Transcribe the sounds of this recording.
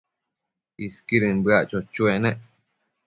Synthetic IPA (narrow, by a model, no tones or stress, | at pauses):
iskiɾɨnbɨaʔt͡ʃot͡ʃuenẽʔ